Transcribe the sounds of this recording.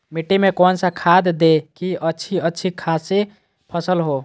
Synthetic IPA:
miʈːimekonsãkʰad̪d̪ekiətːt͡ʃʰiətːʃʰikʰase | pʰəsəlɦo

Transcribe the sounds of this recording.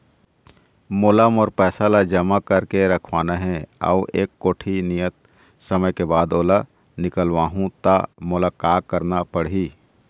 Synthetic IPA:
moːlaːmɔːɾpɛːsalad͡ʒɐmakəɾkeɾəkʰwaːnaɦɛ̃ə̰uʔeːkːoːʈʰinijət̪̚ | səməjkebaːd̪oːla | nɪkəlʋaːɦũt̪amʊlakaːk̚kəɾnapəɽɦiː

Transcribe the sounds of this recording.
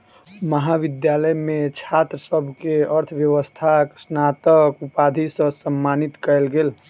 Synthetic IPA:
məɦabid̪jaləjmet͡ʃʰat̪ɾəsəbʱkeəɾt̪ʰbjəʋəst̪ʰaksnat̪əkupad̪ʱisə̃səmːanit̪kəelɡel

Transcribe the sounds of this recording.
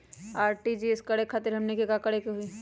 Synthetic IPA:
aːɾʈid͡ʒiɪskɐɽekʰaːt̪ɪɾɦɐmnekekakɐɽekeɦui

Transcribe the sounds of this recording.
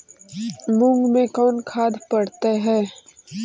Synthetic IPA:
mʊ̃ŋɡmẽkɔːnkʰaːd̪ʱpɐɽt̪eɦɛː

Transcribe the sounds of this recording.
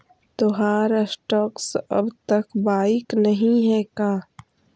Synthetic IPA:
t̪oɦaːɾsʈɔːksɐ̰bt̪ɐkbaːɪknɐɦĩɦɛkaː

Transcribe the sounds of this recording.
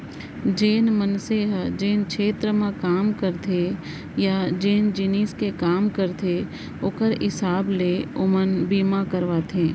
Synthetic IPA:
d͡ʒeːnmənseɦd͡ʒeːnkʃeːt̪ɾəmãkaːmkəɾt̪ʰe | jad͡ʒeːnd͡ʒiniːskekaːmkəɾt̪ʰe | ʊkəɾɪsaːbleʊmənbiːmakəɾʋaːt̪ʰẽː

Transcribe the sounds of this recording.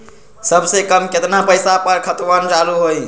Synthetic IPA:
səbsekəmket̪napəjsapəɾkʰət̪ʋənd͡ʒaluɦoj

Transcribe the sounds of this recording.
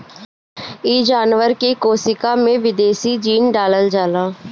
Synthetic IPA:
iːd͡ʒaːnʋəɾkiːkoːsɪkaːmẽːʋɪd̪eːsiːd͡ʒiːnɖaːləld͡ʒaːlaː

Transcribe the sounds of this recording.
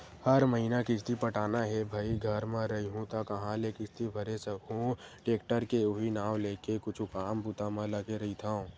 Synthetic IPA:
hɐɾməɦiːnakɪst̪ipɐʈaːnaɦɛbʱaːiɡʱɐɾmãɾɐiɦũt̪akɐɦãlekɪst̪ibʱɐɾesɐkɦũʈeːkʈəɾkeʊɦinaːʋleːkekʊt͡ʃʰukaːmput̪amãlɐɡeɾɐɦit̪ʰã

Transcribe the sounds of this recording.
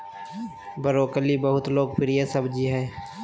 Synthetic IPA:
bəɾoːkəlibəɦʊt̪loːɡpɪɾijesɐbd͡ʒiɦɛː

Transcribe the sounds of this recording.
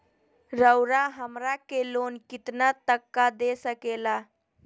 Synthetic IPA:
ɾəwɾaɦəmɾakelonkit̪nat̪əkːad̪esəkela

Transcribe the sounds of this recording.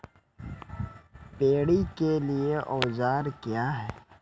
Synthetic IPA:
peːɽikelieʔɔːzaːɾkjaːɦɛː

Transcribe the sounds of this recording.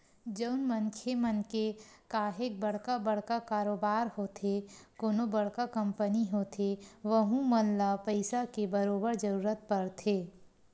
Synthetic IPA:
d͡ʒəʊnmə̃ŋkʰemənkekaːɦek̚bɐɽ̤kabɐɽkakaːɾoːbaːɾhot̪ʰekoːnobɐɽkakɐ̃mpəniɦoːt̪ʰeʋəɦũmənlapəɪsakebəɾoːbəɾd͡ʒɐɾuːɾət̪̚pɐɾt̪ʰeː

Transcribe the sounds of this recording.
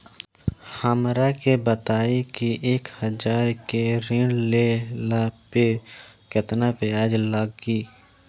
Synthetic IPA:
həmɾakebət̪aːikiʔeːkhəd͡ʒaːɾkeɾiɳlelapekɪt̪napeaːd͡ʒləɡiː

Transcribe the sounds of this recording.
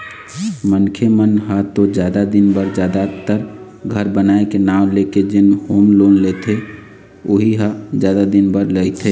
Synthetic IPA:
mənkʰemənɦat̪od͡ʒjad̪ad̪inbəɾd͡ʒjaːd̪at̪əɾ | ɡʱəɾbənaekenaːʊ̃leked͡ʒɪnhomlonlet̪ʰe | oɦiɦad͡ʒjad̪ad̪inbəɾləɪt̪ʰe

